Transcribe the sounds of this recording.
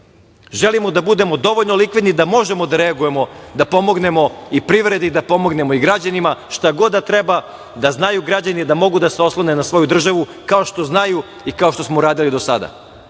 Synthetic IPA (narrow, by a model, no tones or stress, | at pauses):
ʒelimod̪abud̪e̞mo̞d̪o̞ʋoʎnolikʋid̪nid̪amo̞ʒe̞mo̞d̪aɾeaɡuje̞mo̞d̪apo̞mo̞ɡne̞mo̞ipɾiʋɾe̞d̪id̪apo̞mo̞ɡne̞moiɡɾad͡ʑanimaʃt̪aɡo̞d̪ːat̪ɾeba | d̪aznajuɡɾad͡ʑanid̪amo̞ɡud̪aseo̞slˠone̞nasʋo̞jud̪r̩ʒaʋu | kao̞ʃt̪o̞znaju | ikaoʃt̪o̞smoɾaːd̪ilid̪o̞sa̰d̪a̰